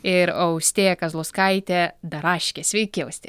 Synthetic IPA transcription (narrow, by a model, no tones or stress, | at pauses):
ɪɾɐʊsʲt̪ʲeːjɛkɐzlˠʊskɐɪt̪ʲɛd̪ɐɾɑːʃʲkʲesʲʋʲɛɪkʲɪɐʊsʲt̪ʲeː